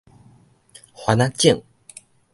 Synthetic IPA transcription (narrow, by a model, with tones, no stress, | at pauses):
xwa˨˧˦na˥t͡ɕi˥˨ŋ